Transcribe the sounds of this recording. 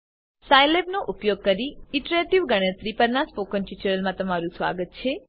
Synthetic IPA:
sajlebnoʔʊpjoɡ̚kəɾiɪʈɾeʈiʋɡəɽ̃ə̃t̪ɾipəɾnaspokənt͡ʃit͡ʃəɾəlmãt̪əmaɾũsʋa̰ɡət̪̚t͡ʃʰe

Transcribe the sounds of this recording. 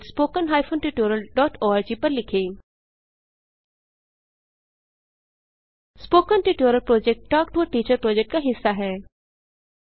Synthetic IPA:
spoːkənɦaːɪfʰõːnʈiʈoːɾəlɖɔːʈʰoːaːɾd͡ʒiːpɐɾlɪkʰeː | spoːkənʈiːʈoːɾəlpɾoːd͡ʒɛk̚ʈʈɔːk̚ʈuəʈiːt͡ʃəɾpɾɔːd͡ʒɛk̚ʈkaɦɪsːaɦɛː

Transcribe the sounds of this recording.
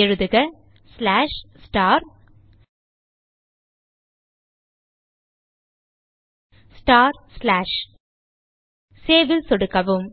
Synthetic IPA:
ɛɻɯðɯɣɐ | slaːʂsʈaːɾ | sʈaːɾslaːʂ | seːʋɪlsɔɽɯkːɐʋɯm

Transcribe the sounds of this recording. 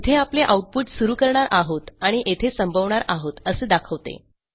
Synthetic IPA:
t̪ʰeapleʔauʈ̚puʈsuɾuːkəɾɳaɾaɦot̪aɽ̃iʔet̪ʰesəmbʱəʋɳaɾaɦot̪əseːd̪akʰəʋt̪ḛ

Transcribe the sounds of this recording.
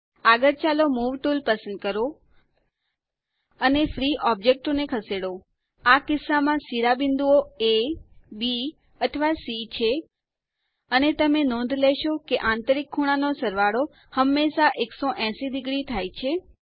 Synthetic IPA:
aɡəɾt͡ʃalomuʋʈulpəsənd̪̚kəɾo | ənefɾiʔɔb̚d͡ʒek̚ʈonekʰəseɽo | akɪsːamãsiɾabɪnd̪uoebi | ət̪ʰəʋasit͡ʃʰe | ənet̪əmenɔ̃nd̪ʱlɛʃokeʔãnt̪əɾikʰːuɽ̃anosəɾʋaɽo | həmːeʃaʔeksoʔɛ̃sid̪ɪɡɽit̪ʰajt͡ʃʰe

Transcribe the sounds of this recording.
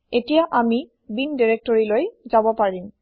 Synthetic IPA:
etijaʔami | bindiɹek̚tɔɹilojzabɔpaɹim

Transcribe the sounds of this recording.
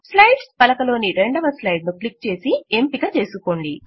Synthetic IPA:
slɐjɖspɐlɐkɐlo̞ːniɾeɳɖɐʋɐslɐjɖnuklik̚t͡ʃe̞ːsiempiːɡat͡ʃe̞ːsuko̞ːɳɖi

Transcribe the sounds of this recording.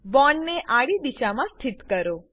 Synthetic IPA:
bɔɳːeʔaɽid̪iʃamãst̪ʰɪt̪kəɾo

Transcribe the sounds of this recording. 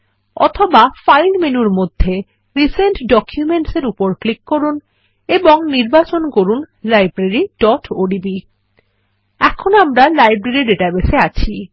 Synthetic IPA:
ɔ̰t̪ʰobafajlmenuɾmod̪ʱːe | ɾiseɳʈɖɔkʰjumeɳʈseɾupoɾklikːoɾun | eboŋniɾbat͡ɕonkoɾun | lajbɾeɾiɖ̥ɔʈoɖibi | ɛkʰonoamɾalajbɾeɾiɖeʈabeseat͡ɕʰi

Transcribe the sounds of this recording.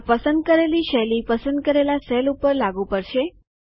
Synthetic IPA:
pəsənd̪̚kəɾeliʃɛlipəsənd̪̚kəɾelasɛlupəɾlaɡũpəɾʃe

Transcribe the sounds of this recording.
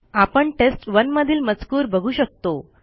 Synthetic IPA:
apəɳʈesʈʋənməd̪ʱiːlmət͡skuːɾbəɡʱuːɕək̚t̪o

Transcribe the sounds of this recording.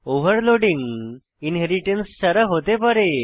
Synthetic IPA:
oʋəɾloɽĩŋɡ | inɦeɾiʈensɕəɾəɦot̪epəɾe

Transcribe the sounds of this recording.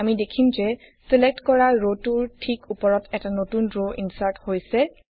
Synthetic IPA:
amidekʰimzɛ | selek̚tkɔɹaɹotuɹtʰikupɔɹɔtɛtanotunɹoʔḭnsaɹthojsɛ

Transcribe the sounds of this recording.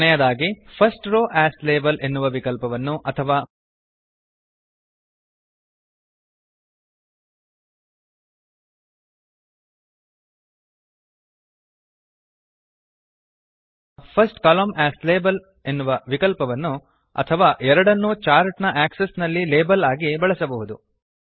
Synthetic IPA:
nɛjɐd̪aːɡipʰɐsʈɾoːʔæːsleːbɐlʔe̞nːuʋɐʋikɐlpɐʋɐnːuʔɐt̪ʰɐʋaː | pʰɐsʈkɐloːmʔæːsleːbɐl | e̞nːuʋɐʋikɐlpɐʋɐnːu | ɐ̰t̪ʰɐʋaːʔɛɾɐɽɐnːut͡ʃaːɾʈnɐʔæːksesnɐlːileːbɐlaːɡibɐɭɐsɐbɐɦud̪u

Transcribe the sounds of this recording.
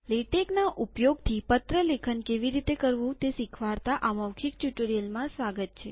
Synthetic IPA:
leʈeknaʔupjoɡ̚t̪ʰipət̪ɾəlekʰənkeʋiɾit̪ekəɾʋũt̪esikʰʋaɾt̪aʔaməwkʰik̚ʈjuʈəɾijəlmãsʋaɡət̪̚t͡ʃʰḛ

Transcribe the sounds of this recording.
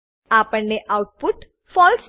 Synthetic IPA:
apəɳːeʔauʈ̚puʈ | fɔls

